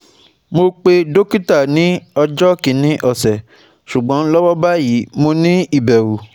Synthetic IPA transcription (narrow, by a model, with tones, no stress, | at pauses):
mo˧k͡pe˧do˦ki˦ta˦˨nĩ˨˦ɔ˧d͡ʒɔ˦kĩ˨˦nĩ˦ʔɔ˦˨sɛ˨ | ʃu˨ɡ͡bɔ̃˨˦lɔ˦wɔ˦ba˦ji˨˦mo˧nĩ˦i˦˨bɛ˨wu˨